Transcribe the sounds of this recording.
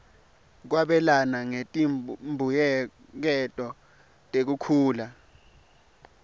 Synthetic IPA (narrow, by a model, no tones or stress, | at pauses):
k̬waɓɛlanaŋetʼimbʱujɛ | k̬ɛtʼɔ | tʼek̬ukʰuːla